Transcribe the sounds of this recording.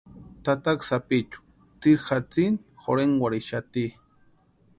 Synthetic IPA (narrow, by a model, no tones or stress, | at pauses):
t̪at̪aksapit͡ʃu̥ | t͡siɾxat͡sinxo̰ɾeŋwaɾiʃat̪i